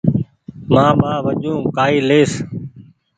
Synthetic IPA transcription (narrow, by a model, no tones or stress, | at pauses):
mãːmaːʋəʄũːkaːiːleːs